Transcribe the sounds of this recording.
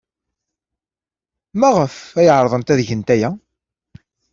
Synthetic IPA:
mæʁəfæjʕɾˤðˤənt̪æðʝənt̪æjæ

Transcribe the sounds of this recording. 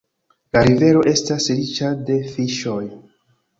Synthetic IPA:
laɾive̞ɾo̞ʔe̞stasɾit͡ʃade̞fiʃo̞j

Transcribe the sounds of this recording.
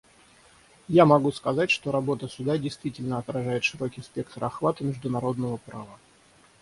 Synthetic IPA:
jamɐɡuskɐzatʲʂt̪o̞ɾɐbo̞t̪əsʲʊd̪adʲɪjst̪vʲitʲɪlʲnəɐt̪ɾɐʐajɪt̪ʂɨɾo̞kʲɪspʲe̞kt̪əɾɐxvat̪ɨmʲɪʐd̪ʊnɐɾo̞d̪nəvəpɾavə

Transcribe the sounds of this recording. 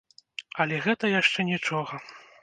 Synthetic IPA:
ɐlʲɛɣɛt̪ɐjaʂt͡ʂɛnʲit͡ʂɔɣɐ

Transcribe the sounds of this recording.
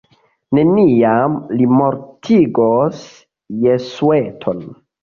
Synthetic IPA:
ne̞niamlimoɾtʰiɡos | jesuetʰon

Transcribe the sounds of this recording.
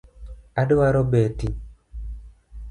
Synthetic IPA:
adowaɾɔbɛti

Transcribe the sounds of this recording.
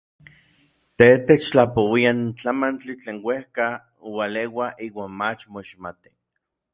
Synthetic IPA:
t̪et̪et͡ʃt͡ɬapowiant͡ɬamant͡ɬit͡ɬeːnwehka | owalewaʔiːwaːnmat͡ʃmoiʃmat̪i̥

